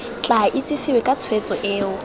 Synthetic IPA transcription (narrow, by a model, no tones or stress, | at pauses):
t͡ɬʼaʔɪt͡sʼɪsɪwɛkʼat͡sʰwet͡sʼɔʔeːʊ